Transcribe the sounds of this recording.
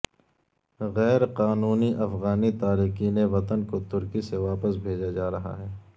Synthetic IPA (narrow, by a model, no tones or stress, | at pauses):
ɣɛːɾqaːnuːniʔɐfɣaːnit̪aːɾiːqiːneʋɐt̪ənkot̪ʊɾkiseʋaːpəsbʱeːd͡ʒad͡ʒaːɾɐɦa̰ɦɛː